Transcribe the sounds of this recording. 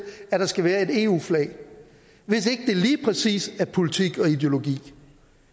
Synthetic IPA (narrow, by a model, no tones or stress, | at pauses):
æɾ̥ɑ̈sɡ̥æʋæːɐe̝de̝ːṵːflɛ̰ɪ | ʋe̝se̝ɡ̥əd̥e̝liːpʰʁɛsḭːsæɐpʰo̝lit͡sʰiɡ̥ɒ̽id̥e̝o̝lo̝ɡ̥ḭː